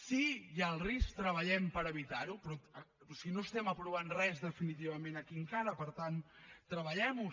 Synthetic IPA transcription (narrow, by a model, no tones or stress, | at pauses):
sijalˠrisk̚t̪ɾəβ̞əʎɛmpəɾəβit̪aɾupɾɔ | osiɣinoəst̪ɛməpɾuβ̞anrɛzðəfinit̪̬iβ̞əmẽnəkiəŋkaɾəpəɾt̪ant̪ːɾəβəʎɛmu